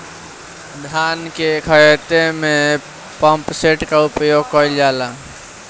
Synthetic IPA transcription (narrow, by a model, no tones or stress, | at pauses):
d̪ʱjaːnkekʰəjt̪emẽ | pəmpseʈkaupjoːɡ̚kəild͡ʒala